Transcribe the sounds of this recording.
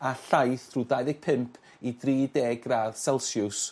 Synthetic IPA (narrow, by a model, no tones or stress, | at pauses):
aɬajθruðajðɪɡ̥̚pʰɪmpʰ | idriːdeːɡraːðsɛlˠsjʊs